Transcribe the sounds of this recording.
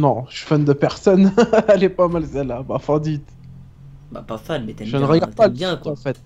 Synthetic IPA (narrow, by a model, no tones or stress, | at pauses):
nɔ̃ʃi̥fand̪əpɛʁsɔnɛlɛpamalsɛlabãfɑ̃d̪it̪ | ba̰pafalmɛt̪ɛʒənəʁəɡaʁd̪paljɛ̃kaɑ̃fɛt̪̚